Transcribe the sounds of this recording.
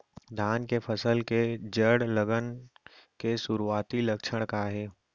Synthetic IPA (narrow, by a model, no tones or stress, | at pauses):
d̪ʱaːnkepʰɐsəlked͡ʒəɽləɡənkesʊɾuaːt̪ilɐkʃʰəɽ̃kaɦɛː